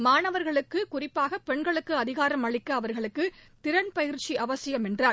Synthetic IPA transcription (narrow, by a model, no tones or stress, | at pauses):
maːnɐʋɐɾɣɐɭɯkːɯkʊrɪpːaːɣɐpɛɳɡɐɭɯkːɯɐðɪɣaːɾɐmɐɭɪkːɐːʋɐɾɣɐɭɯkːɯt̪ɪɾɐɳpɐjɪɾt͡ʃiʔɐʋɐsɪjɐmɛndraːɾ